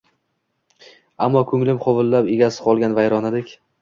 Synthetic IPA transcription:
amːɒkʰɵŋlɪmqʰovɪlːapeɡʲasɪ̥qʰɒlˠɡʲanvajɾɒnad̪ɪkʲ

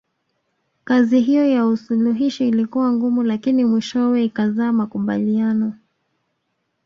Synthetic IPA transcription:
kaziɦijɔjausuluɦiʃiilikuwaŋɡumulakinimwiʃɔwɛikazaːmakuɓa̰lianɔ

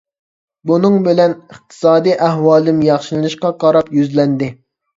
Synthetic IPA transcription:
bunɨŋbɪlɛnəχt̪ʰɨ̥sɑːd̪ijʔæhwɑːlˠɨmjɑχʃilɨnɨʃqɑqʰɑɾɑpjyzlɛnd̪ɪ

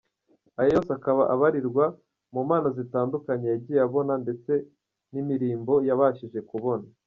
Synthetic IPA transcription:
ajojo̞ːsakaβaʔaβaɾiɾɡwa | mumaːnazitaːndukaɲejaɾɟiːaβo̞nande̞t͡se̞ | nimiɾiːmbo̞jaβaːʃiʒe̞kuβo̞na

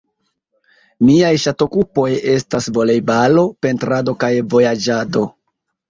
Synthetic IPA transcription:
miajʃato̞kupo̞je̞stasvo̞lejbalo̞pe̞ntɾado̞kajvo̞jad͡ʒado̞

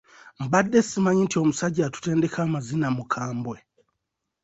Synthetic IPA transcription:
m̩badːe̞simaɲintio̞musaɟaːtu̥te̞ːnde̞kʰaːmazinamukʰaːmbwe

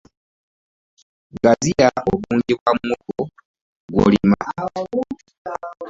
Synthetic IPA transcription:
ɡaziɾaʔoβuːɲɟekwamuko | ɡwo̰lima

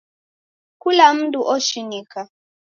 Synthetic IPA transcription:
kulam̩ntʼuʔoʃiniːkʰa

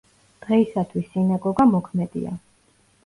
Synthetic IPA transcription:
d̪̥ʁɛisat̪ʰwisːinaɡɔɡamɔkʰmɛd̪ḭa̰

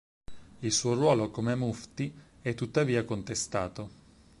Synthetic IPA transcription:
ilsuːorwɔːlokomemuft̪iɛt̪ːut̪ːaviːakont̪est̪aːt̪o

